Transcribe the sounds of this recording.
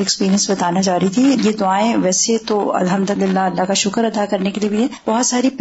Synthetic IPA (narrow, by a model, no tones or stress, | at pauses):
ɛkspiːɾiə̃nsbɐt̪aːnad͡ʒaːɾit̪ʰijed̪ʊaːẽʋɛːset̪oɐ̰lɦɐmd̪ʊlɪlːaɐlːaɦkaʃʊkəɾɐd̪akɐɾnekeliebʱiɦɛ̃b̥ɔɦɔt̪saːɾip